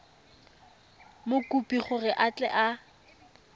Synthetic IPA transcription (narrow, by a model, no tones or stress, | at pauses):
mʊkupʼiχʊrɪʔat͡ɬʼɛ̰ʔa